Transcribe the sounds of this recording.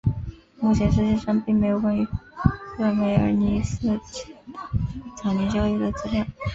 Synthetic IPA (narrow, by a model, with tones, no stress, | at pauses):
mu˥˩t͡ɕʰjɛ˧˥nʂɻ̩˥˧t͡ɕjɛ˥˧ʂɑ˥ŋpi˥˩ŋm˧˥ɪjo˨˩ʊkwa˥ny˧˥sɤ˥˩me˧˥ɪə̰˞˧˥ni˧˥s̩˥˩t͡ɕʰ | t͡sʰɑ˨˩ʊnɛ˧˥nt͡ɕjɑ˥ʊi˥˩d̪ə˩t͡sɹ̩˥ljɑ˥˩˦ŋ